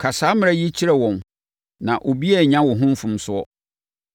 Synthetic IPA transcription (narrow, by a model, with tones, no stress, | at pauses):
kʰa˨saː˨˦mɪ̃˦ɾɛ˦ji˦t͡ɕʰi˦ɾɛ˨wɔ̃˨n | nã˨ʔo˨bi˦ɛ˨ɲã˦wʊ˨ɦʊ̃˦m̩˦fʊ̃˦msʊ˦ɔ˦